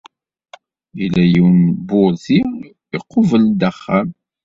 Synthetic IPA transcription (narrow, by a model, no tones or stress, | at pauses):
ilæjiwnbʊɾθi | iqːovəld̪æχːæm